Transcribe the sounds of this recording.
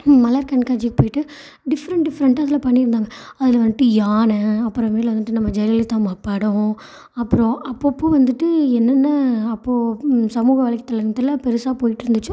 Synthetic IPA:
mɐlaːɾkɐɳkaːd͡ʒikːɯ̥poːjɪʈːɯ | ɖɪfɐɾɐɳʈɖɪfɐɾɐɳʈːɐðɪlɐpɐɳːɪɾɯnd̪aːŋɡɐɐðɪlɐʋɐnd̪ɪʈːɯjaːnɐ̃ɐpːɯɾɐ̃meːlʋɐnd̪ɯʈːɯnɐmːɐd͡ʒɐɾɐlit̪ãːmaːpːaːɽɐ̃ | ɐpːɯɾõɐpːopːoːʋɐnd̪ɯʈːɯɛnːɐnːɐːpːoːsɐmuːɣɐʋaːɭɪkːɐt̪ːɐlɐɐt̪ːɐlɐpɛɾɯsaːpoːjɪʈːɯɾɯnd̪ɯt͡ʃːʊ̃

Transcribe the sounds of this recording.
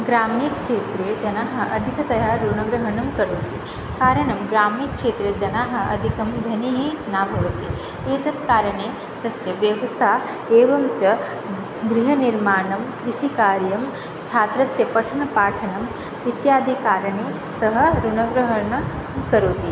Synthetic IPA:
ɡɾaːmikʂeːt̪ɾeːd͡ʒɐnaːɦɐʔɐ̰d̪ʱikʰɐt̪ɐjaːɾunɐɡɾɐɦɐɳɐmkɐɾoːt̪i | kaːɾɐɳɐmɡɾaːmikʂeːt̪ɾed͡ʒɐnaːɦɐ̆ʔɐd̪ʱikɐmd̪ʱɐniɦinaːbʱɐʋt̪i | eːt̪ɐt̪kaːɾɐɳeː | t̪ɐsjɐʋjɐʋɐsaː | eːʋɐmt͡ʃɐ | ɡɾiɦɐniɾmaːnɐmkɾiʃikaːɾjɐm | t͡ʃʰaːt̪ɾɐsjɐpɐʈʰɐnɐpaːʈʰɐnɐm | it̪jaːd̪ʱikaːɾɐɳeː | sɐɦɐ̆ɾunɐɡɾɐɦɐɳɐkɐɾoːt̪i

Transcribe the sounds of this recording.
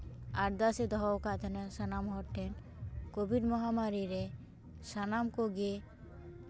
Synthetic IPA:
aɾd̪ased̪ɔɦɔwkat̪ʰənasənamɦɔɾʈʰːen | kobʱiɖmɔɦamaɾiɾe | sanamkoɡe

